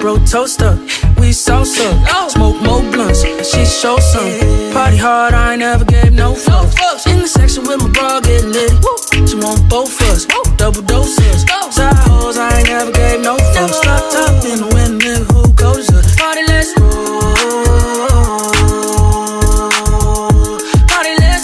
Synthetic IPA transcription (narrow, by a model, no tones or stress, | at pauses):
b̥ɹoʊtʰoʊstʌ | wisɔsʌ̃msmoʊk̚moʊblʌ̃nz̥ | ʃizʃɔsʌ̃mpʰɑɾiɦɑɹɾaɪnɛvə˞ɡeɪvnoʊfoɪ̃nðɨsɛkʃə̃nwɪ̃məbɔɡɪlɪdʃiwʌ̃nb̥oʊfʌz̥d̥ʌbl̩ˠdoʊsəz̥saɦozaɪnɛvə˞ɡeɪvnoʊfostɑtʰʌpɪ̃nwɪ̃nmɪ̃nhuɡoʊzʌpʰɑɾilɛz | pʰɑɾilɛs